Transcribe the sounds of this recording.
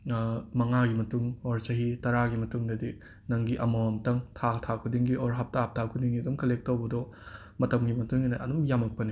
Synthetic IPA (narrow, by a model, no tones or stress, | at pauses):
mɐŋaɡimɐtuŋoɾsɐɦitɐɾaɡimɐtuŋdɐdi | nɐŋɡiʔɐmawɔmtɐŋtʰatʰakʰudiŋɡiʔoɾɦɐp̚tʰaɦɐp̚tʰakʰudiŋɡidumkɐlek̚towbɐdɔ | mɐtɐmɡimɐtuŋinɐɐdumjamɐk̚pɐni